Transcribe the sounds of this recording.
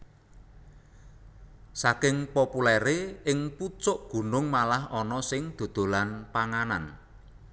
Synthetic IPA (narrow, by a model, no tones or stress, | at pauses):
sakɪŋpɔpulɛɾeɪŋput͡ʃʊʔɡ̥ṳnʊŋmalahɔnɔsɪŋd̪̥o̤d̪̥o̤lanpaŋanan